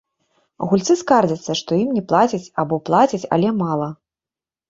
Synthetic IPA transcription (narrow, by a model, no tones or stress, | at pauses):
ɣulʲt̪sɨskard͡zʲɐt̪sːɐʂt̪ɔjimnʲɛplˠat͡sʲit͡sʲabɔplˠat͡sʲit͡sʲɐ̰lʲɛmalˠɐ